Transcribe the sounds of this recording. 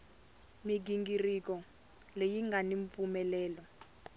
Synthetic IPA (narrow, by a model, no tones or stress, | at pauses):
miɡ̬iŋɡirik̬ɔ | lejiŋɡaniɱp̪fumɛlɛːlɔ